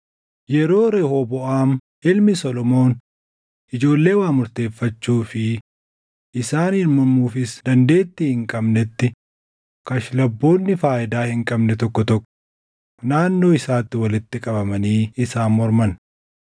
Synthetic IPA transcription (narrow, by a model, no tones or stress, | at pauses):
jɛɾo̞ːɾeːhobɔʔaːm | ɪlmɪsɔlɔmo̞ːn | ʔɪd͡ʒo̞ːlːe̞ːwaːmʊɾt̪e̞ːfːɐt͡ʃːuːfɪ | ʔɪsaːnhɪɾmɐmuːfɪsd̪ɐnd̪e̞ːt̪ːɪhɪŋkʼɐbnɛt̪ːɪ | kɐʃlɐbːo̞ːnːɪfaːʔɪd̪aːhɪŋkʼɐbnɛt̪ɔkːɔt̪ɔkʼːɔ̥ | naːnːo̞ːɪsaːt̪ːɪwɐlɪt̪ːɪkʼɐbɐmɐniːɪsaːnmɔɾmɐn